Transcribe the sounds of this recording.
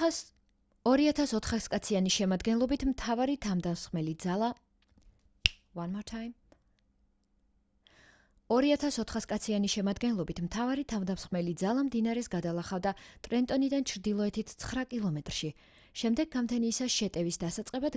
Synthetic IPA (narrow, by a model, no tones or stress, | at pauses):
ɔɾiat̪ʰasɔt̪ʰχaskʼat̪sʰianiʃɛmad̪ɡɛnlˠɔbit̪ʰmt̪ʰavaɾit̪ʰamd̪asχmɛlizala | wanmɔt̪ʰa | ɔɾiat̪ʰasɔt̪ʰχaskʼat̪sʰianiʃɛmad̪ɡɛnlˠɔbit̪ʰmt̪ʰavaɾit̪ʰamd̪amsχʼmɛlid̪zalˠamd̪inaɾɛsɡad̪alˠaχavd̪at̪ʼɾɛnt̪ʼɔnid̪ant͡ʃʰɾd̪ilˠɔɛt̪ʰit̪ʰt̪sʰχɾakʼilˠɔmɛt̪ʼɾʃi | ʃɛmd̪ɛɡːamt̪ʰɛniːsaʃɛt̪ʼɛvisd̪asat̪sʼqʼɛbad̪